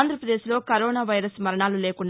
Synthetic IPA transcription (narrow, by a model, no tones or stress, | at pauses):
nd̪ʱɾɐpɾɐd̪eːʃilo̞ːkɐɾoːnaːʋɐjɾɐsmɐɾɐɳaːluleːkuɳɖ